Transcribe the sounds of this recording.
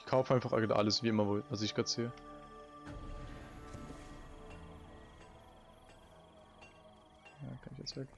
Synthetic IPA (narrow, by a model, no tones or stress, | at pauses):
kʰaʊfəʔaɪnfaχa̰ɡdʔa̰ləsviːɪmɐvovasɪçɡ̥ʁɑːtz̥eːə | ja̰ːkʰanɪçɛsv̥ɛk